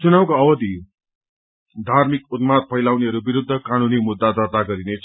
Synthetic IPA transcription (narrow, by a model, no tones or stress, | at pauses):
t͡sunawkoʌwʌd̪ʱi | d̪ʱarmikut̪mat̪̚pʰʌjlawneɦʌɾubiɾud̪ʱːʌkanunimud̪ːad̪ʌt̪aɡʌɾinet͡sʰ